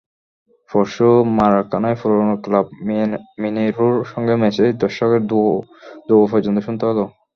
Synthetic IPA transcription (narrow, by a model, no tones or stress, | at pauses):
fɔɾʃomaɾakanajfuɾonoklab̚mineɾuɾʃɔŋɡemɛsed̪ɔʃɔkeɾd̪ud̪obofʰɔɾd͡ʑont̪oʃunt̪eɦɔlo